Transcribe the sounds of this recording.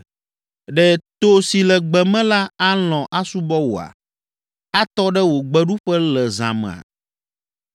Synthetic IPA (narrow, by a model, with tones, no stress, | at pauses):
ɖɛ˨t̪o˦si˨lɛ˨ɡ͡bɛ˨mɛ̃˦la˦a˦lɔ̃˨ʔa˦su˦bɔ˦wo˨a̰˨ | a˦t̪ɔ˦ɖɛ˦wo˨ɡ͡bɛ˦ɖu˦ɸɛ˦lɛ˨zã̰˨mɛ̰̃˨a̰˨